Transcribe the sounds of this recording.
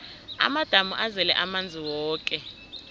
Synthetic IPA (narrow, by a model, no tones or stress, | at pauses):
a̰mad̥ʱamuʔazɛlɛ̰ʔamand͡zʱiwɔːkʼɛ